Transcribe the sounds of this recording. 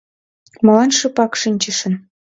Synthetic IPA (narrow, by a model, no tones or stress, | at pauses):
mɑlɑnʃɤ̆pɑkʃinʲt͡ɕə̆ʃə̆n